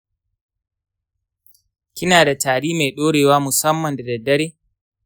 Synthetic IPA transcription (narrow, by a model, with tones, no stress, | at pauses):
kʲɪ˦naː˨da˨tʰaː˨ɽiː˦ma˨jɗoː˦ɽeː˨waː˦mʊ˨sɐ˦mːɐ˨nda˨dɐ˨dɐ˦ɽeː˦